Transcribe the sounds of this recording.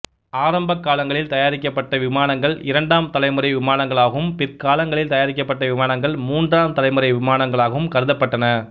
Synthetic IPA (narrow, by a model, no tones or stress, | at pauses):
aːɾɐmbɐkːaːlɐŋɡɐɭɪlt̪ɐjaːɾɪkːɐpːɐʈːɐʋɪmaːnɐŋɡɐɭɪɾɐɳɖaːmt̪ɐlɐɪmɯɾɐɪʋɪmaːnɐŋɡɐɭaːɣɐʋɯmpɪrkaːlɐŋɡɐɭɪlt̪ɐjaːɾɪk̬ʲːɐpːɐʈːɐʋɪmaːnɐŋɡɐɭmuːndraːmt̪ɐlɐɪmɯɾɐɪʋɪmaːnɐŋɡɐɭaːɣɐʋɯmkɐɾɯðɐpːɐʈːɐnɐ